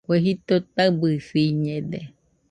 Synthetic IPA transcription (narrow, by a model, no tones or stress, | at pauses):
kʷeɦit̪ot̪abɨsiɲẽd̪e